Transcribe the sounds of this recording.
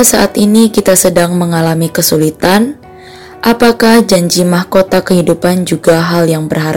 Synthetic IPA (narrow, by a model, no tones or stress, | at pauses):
asaʔat̪inikit̪asədaŋməŋalamikəsulit̪an | ʔapakahd͡ʒaɲd͡ʒimahkot̪akəhidupand͡ʒuɡaɦaljaŋbərɦaɾ